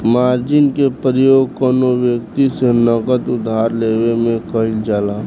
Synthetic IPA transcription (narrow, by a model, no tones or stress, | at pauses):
maːɾd͡ʒɪnkepɾəjoːɡkənoʋjəkt̪isenəɡəd̪ʊd̪ʱaːɾleːwemẽkəɦɪld͡ʒaːlaː